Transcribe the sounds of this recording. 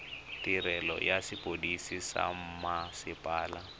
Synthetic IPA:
tiɾɛlɔ̰jasipodisisa̰m̩masɪpʼaːla

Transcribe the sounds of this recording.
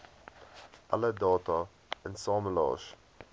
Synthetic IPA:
ʔalədɔːtə | ɪ̃nsɔːməlɔ̰ːʃ

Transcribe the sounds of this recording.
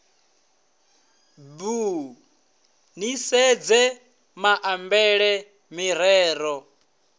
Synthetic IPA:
bu | nisɛd͡zɛ | maʔambɛɺɛ | miɾɛːɾɔ

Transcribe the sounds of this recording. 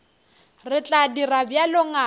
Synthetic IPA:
rɪt͡ɬʼadirabjalɔŋa

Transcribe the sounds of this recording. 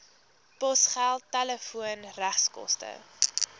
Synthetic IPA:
pɔsχælˠtːæləfuənræχskɔ̰stə̰

